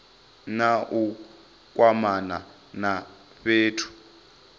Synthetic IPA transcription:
naʔu | k̬ʼwamana | na | ɸeːtʰu̥

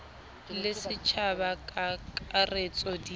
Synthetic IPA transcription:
lɪsɪt͡ʃʰabakʼaaret͡sʼɔdi

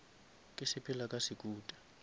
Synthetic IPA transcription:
kʼɛsɛpʰɛlakʼasik̬ʼuːtʼḁ

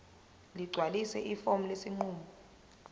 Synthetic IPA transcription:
liɡ͡ǀʱwalisɛʔifom̩lesiŋ͡ǃuːmɔ

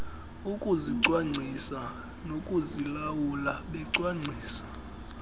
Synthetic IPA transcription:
ukʼuziǀwaŋ͡ǀʱisa | nokʼuzilawulaɓɛǀwaŋ͡ǀʱiːsḁ

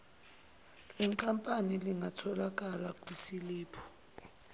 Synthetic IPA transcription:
liŋkʼampʼaniliŋʱatʰɔlak̬ʼalakʼwisiliːpʰɔ̥

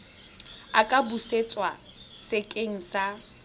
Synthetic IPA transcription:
akʼabuset͡sʼwa | sɪkʼeŋ̩sa

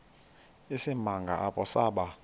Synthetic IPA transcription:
isimaŋɡʱa̰ʔaɓʼɔsaːɓa

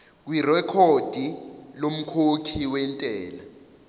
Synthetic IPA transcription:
k̬wirɛkʰod̥ʱilom̩kʰokʰiwɛntʼɛːla

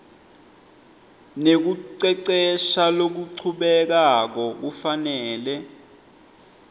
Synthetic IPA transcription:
nek̬uǀɛǀɛʃalok̬uǀʰuɓɛk̬ak̬ɔk̬ufanɛːlɛ

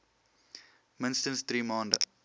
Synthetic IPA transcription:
mɪ̃nsʈə̃nst̪ʰɾiːmãːɳɖ

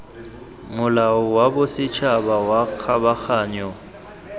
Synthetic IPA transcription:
mʊlaʊwabʊsɪt͡ʃʰabawak͡xʰabak͡xʰaːɲɔ

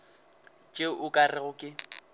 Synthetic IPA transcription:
t͡ʃʼeʊkʼarɪɣʊkʼɪ

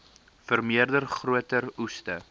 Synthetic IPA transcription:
fərmiərdərχruətərustə

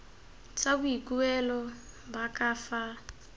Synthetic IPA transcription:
t͡sʼabuikʼuɛlɔ | bakʼaːfa

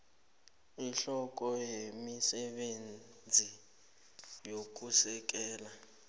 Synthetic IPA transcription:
iɬɔk̬ʼɔjemisɛɓen | d͡zʱi | jok̬ʼusɛk̬ʼɛːla

